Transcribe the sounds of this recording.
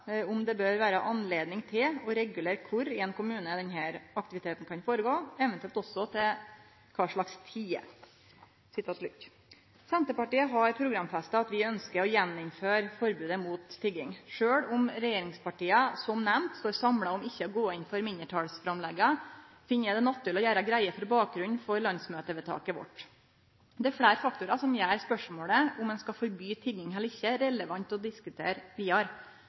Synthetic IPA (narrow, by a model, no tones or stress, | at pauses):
ʊmd̪ɛbøːɾʋæːɾəʔɑnleːd̪nɪŋt̪ʰɪlɔɾɛɡʉleːɾkʰʊɾɛːnkʊmʉːnəd̪ɛnɦæːɾɑk̚t̪ɪʋɪt̪ʰeːt̪n̩kʰɑnfoːɾəɡoːɛʋɛnt̪ʉɛlt̪ɔsːɔt̪ʰɪ | kʰɑːʂɭɑkst̪ʰiːə̰ | sɪt̪ʰɑːt̪lʉkː | sɛnt̪əpɑʈiːəɦɑɾpʰɾʊɡɾɑmfɛst̪əɑt̪ʋɪœnskəɾɔjɛnːʊmføːɾfɔɾbʉːd̪əmuːt̪ʰːɪɡɪŋʂøːɽʊmɾɛjeːɾɪŋspɑʈiːɑsɔmnɛmt̪st̪oːɾsɑmɽɑʊmɪçːəɔɡoːɪnfɔɾmɪnəʈʰɑːɽsfɾɑmlɛɡɑ | fɪnːjæd̪ɛnɑt̪ːʉlɔjæːɾɑɡɾæɪəfɔɾbɑːk̚ɡɾʉnfɔɾlɑnsmøːt̪əʋɛːt̪ʰɑ̰ːkɪʋɔ̰ʈ | d̪ɛɛfɽæːɾfɑk̚t̪ʊɾɑsɔmjæːɾspœʂmoːɽəʊmɛnskɑfɔɾbyːt̪ʰɪɡɪŋɦɛlɪçːəɾɛləʋɑnt̪ɔd̪ɪskʉt̪ʰḛːɾʋiːɑɾ